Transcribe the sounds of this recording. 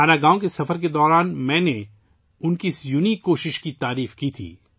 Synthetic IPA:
ɦaːnaɡãːõkesɐfəɾk̬ed̪ɔːɾaːnmɛ̃ːne | ʊnkisjuːnikoːʃɪʃkit̪aːɾiːfkit̪ʰḭː

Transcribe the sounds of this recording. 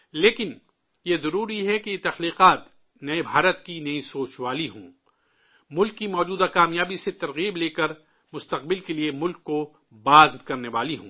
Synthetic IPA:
leːkɪn | jezɐɾuːɾiɦɛkejet̪ɐxliːqaːt̪ | nɐebʱaːɾət̪kinɐĩsoːt͡ʃʋaːliɦõː | mʊlkːimɔːd͡ʒuːd̪akaːmjaːbiset̪ɐɾɣiːbleːkɐɾ | mʊst̪ɐq̚bɪlkeliemʊlkːo | baːzbkɐɾneʋaːliɦõ̰ː

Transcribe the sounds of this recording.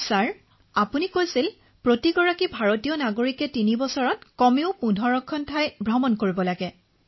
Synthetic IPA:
saɹ | apunikojsil | pɹotiɡɔɹakibʱaɹotijɔnaɡoɹikɛtinibɔsɔɹɔt̚kɔmiʊpundʱɔɹɔkʰːɔntʰajbʱɹɔmɔnkoɹibɔlaɡɛ

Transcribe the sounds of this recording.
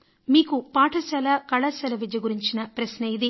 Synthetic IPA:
miːkupaːʈʰɐsɐlɐkɐɭɐsɐlɐʋid͡ʒɐjɐɡuɾiɲt͡ʃinɐpɾɐsnɐjid̪i

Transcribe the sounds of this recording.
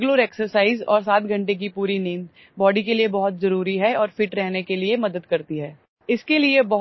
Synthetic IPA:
ɡloːɾeːksəɾsaːɪzɔ̰ːɾsaːt̪ɡʱɐ̃ɳʈek̬ipuːɾineːn | bɔːɖikeliebɐɦʊt̪zɐɾuːɾiɦɛɔːɾfɪʈɾɛɦnekeliemɐd̪əd̪kɐɾt̪iɦɛː | ɪskeliebɐɦ

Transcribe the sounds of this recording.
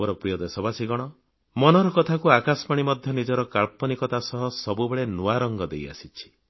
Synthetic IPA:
ɔɾɔpɾijɔd̪esɔbasiɡɔɽ̃ɔ | mɔnɔɾɔkɔt̪ʰakuakasɔmaɽ̃imɔd̪ʱjɔnid͡ʒɔɾɔkaɭpɔnikɔt̪asɔɦɔsɔbubeɭenuaɾɔŋɡɔd̪eja̰sit͡ʃʰi̥

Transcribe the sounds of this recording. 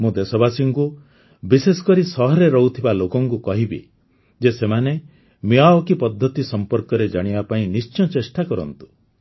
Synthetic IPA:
mũd̪esɔbasiŋku | bisesɔ̥kɔɾisɔɦɔɾeɾɔɦut̪ʰibalokɔŋkukɔɦibḭ | d͡ʒesemane | miaɔkipɔd̪ʱːɔt̪isɔmpɔɾkɔɾed͡ʒaɽ̃ibapaĩnist͡ʃɔ̃t͡ʃesʈakɔɾɔ̰nt̪u̥

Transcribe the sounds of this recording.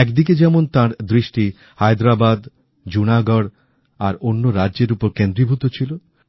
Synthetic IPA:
ɛkd̪ik̬ed͡ʑɛmont̪ãɾd̪ɾiʃʈi | hajd̪ɾabad̪ | d͡ʑunaɡɔɽ | aɾonːoɾadʑeɾupoɾkend̪ɾibʱut̪ot͡ɕʰilo

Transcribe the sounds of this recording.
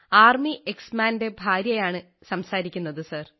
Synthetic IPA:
aːrmiʔeksmaːnde̞bʱaːɾjɐjaːɳɨ | sɐmsaːɾikʲːunːɐðɨsɐr

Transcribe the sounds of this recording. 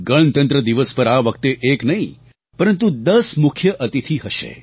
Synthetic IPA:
ɡəɭ̃t̪ə̃nt̪ɾəd̪iʋəspəɾaʋəkt̪eʔeknəɦĩ | pəɾənt̪ũd̪əsmʊkʰjəʔət̪it̪ʰiɦəʃḛ

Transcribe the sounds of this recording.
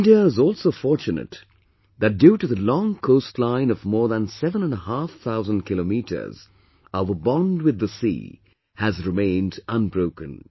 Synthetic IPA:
ɪ̃ndiəɪzɔlˠsoʊfɔɹt͡ʃɨnɨ̰t̪ | ðɨt̚d̥juɾɨðəlɔ̃ŋkʰoʊstʰˡlãɪ̃nʌvmɔɹðə̃nsɛvə̃nə̃nəhæfθaʊzə̃n̩kʰɪlomiɾə̰˞z | aʊvə˞bɑ̃nd̚wɨðːəsḭ | hɨzɹɨmẽɪ̃ndʔə̃nbɹoʊkɨ̃n

